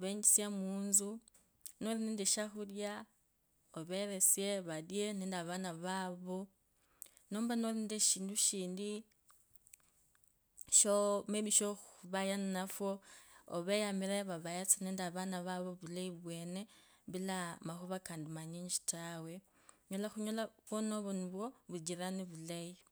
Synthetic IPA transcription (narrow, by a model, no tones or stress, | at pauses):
βeɲd͡ʒisjamuːnzu | noɾinindeʃaxulja | oβeɾesjeβadjeneːndaβanaβaβo | noːmbanolindeʃiːnduʃiːndi | ʃomeβiʃoxuβajannafo̰ːβejamiɾeβaβajat͡saneːndaβanaβaβoβulaiβweːne | βilamaxoβakaːndimaɲiːɲd͡ʒi̥tawe̞ | ɲolaxuɲolaβwonoβoniβwoβud͡ʒiɾaniβulai